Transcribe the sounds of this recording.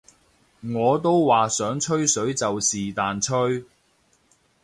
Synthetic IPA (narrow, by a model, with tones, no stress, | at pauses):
ŋɔː˨˧t̪o˥wwaː˨sœː˨˥ŋt͡ʃʰɵ˥ɥsɵ˨˥ɥt͡sɐ˨wsiː˨t̪aː˨nt͡ʃʰɵ˥ɥ